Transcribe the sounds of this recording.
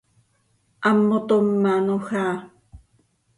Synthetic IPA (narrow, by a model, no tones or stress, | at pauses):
ʔamːot̪omːanoxaː